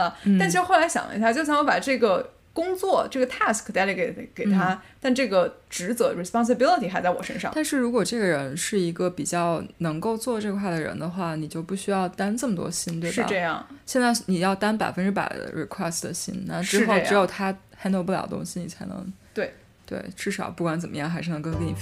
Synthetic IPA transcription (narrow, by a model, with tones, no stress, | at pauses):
n̩˥˩a˥˩nt͡ɕ̩ʰ˥xla˧˥ɕjɑ̰˨˩ŋə̰˧˥sja˥˧t͡ɕjo˥˩ʊsʰa˧˥ŋwɔ˧˥pa˨˩ʈ͡ʂɤ˥˩ɡə˩ | kʊ˥ŋt͡swɔ˥˩ʈ͡ʂɤ˥˩ɡə˩t̪ʰa˥˩skʰə˨˩t̪a˥˧li˧˩ke˨˩ke˨˩ɪt̪ʰa˥t̪a˥˧nʈ͡ʂɤ˥˩ɡə˩ʈ͡ʂɻ̩˧˥t͡sɤ˧˥˩ɻi˧˩spɑ˥ŋs̬ə˧bi˥lə˧t̪ʰi˨˩xa˧˥ɪt͡sa˥˩ɪwɔ˨˩ʂə̰˥nʂɑ̰˥˨t̪a˥˧nʂɻ̩˥˩ɻu˧˥kwɔ˨˩ʈ͡ʂɤ˥˩ɡə˩ɻə˧˥nʂɻ̩˥˩i˧˥ɡə˧pi˨˩t͡ɕjɑ˥˩ʊnɤ˧˥ŋko˥˧ʊt͡swɔ˥˧ʈ͡ʂɤ˥˧kʰwa˥˩d̪ə˩ɻə̰˧˥nd̪ə˧xwa˥˩ni˨˩t͡ɕjo˥˧ʊpu˥˩ɕy˥jɑ˥˩ʊt̪a˥nʈ͡ʂɤ˥˩mə˩t̪wɔ̰˥ɕi˥nt̪we˧˥˩ɻ̩˥˧˩ʈ͡ʂɤ˥˧jɑ̰˥˩ŋɕjɛ˥˧nt͡sa˥˩ɪni˨˩jɑ˥˩ʊt̪a˥npa˨˩ɪfə˥nʈ͡ʂɻ̩˥pa̰˨˩ɪd̪ə̰˦ɻḭ˨˩kʰwɛ˥˩std̪ə̰˩ɕḭ˥nna˥˧˩ʈ͡ʂɻ̩˥xo˥˧ʊʈ͡ʂɻ̩˧˥jo˨˩ʊt̪ʰa˥xa˧˥ne˧˥p̬u˥˩ljɑ˨˩ʊə˧t̪ʊ̰˥ŋɕi˨ni˨˩t͡sʰa˧˥ɪnɤ̰˧˥ŋt̪we˥˩ɪ | t̪wḛ˥˩ɪʈ͡ʂɻ̩˥˩ʂɑ˨˩ʊpu˥˩kwa˧˥nt͡sə˨˩mə˦jɑ˥˩ŋxa˧˥ɪʂɻ̩˥˩nə˧˥ŋkə˥ŋke˧˥ni˨˩